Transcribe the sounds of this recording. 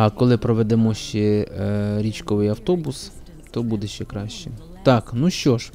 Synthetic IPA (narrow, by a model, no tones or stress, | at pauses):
ɐkɔlˠɪpɾɔʋɛd̪ɛmɔʃt͡ʃɛ | ɾʲit͡ʃkɔʋɪjɐwt̪ɔbʊs | t̪ɔbud̪eʃt͡ʃɛkɾɑʃʲt͡ʃɪ | t̪ɑknuʃt͡ʃɔʃ